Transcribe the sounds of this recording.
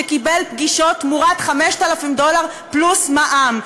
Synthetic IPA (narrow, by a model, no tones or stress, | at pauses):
ekibelp̚ɡiʃot̪muʁat̪χameʃt̪alafimd̪o̞laʁ | plusmaʔam